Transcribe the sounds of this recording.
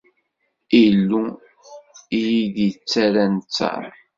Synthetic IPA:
ilːu | ijiðit͡sːæɾænt͡sːa̰ɾ

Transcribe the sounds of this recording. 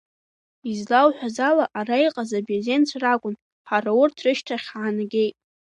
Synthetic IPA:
izlawħʷᶣazalaʔarajqʼazabazent͡sʷʰrakʷʼʊn | ħarawʊrtʰrɨʃtʰaχʲʕanaɡʲejtʼ

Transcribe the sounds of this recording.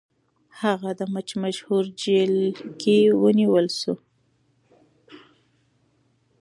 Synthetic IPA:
haɣad̪əmat͡ʃmaʃhuɾd͡ʒelkewəniwəlʃu

